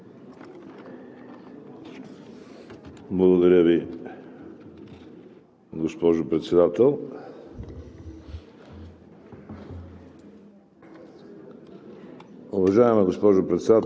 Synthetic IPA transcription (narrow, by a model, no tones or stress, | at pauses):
blˠɐɡod̪ɐɾʲjəvi | ɡospɔʒʊpɾɛt̪sɛd̪at̪ɛlˠ | ʊvɐʒaɛmɛɡospɔʒʊpɾɛt̪sɛd̪at̪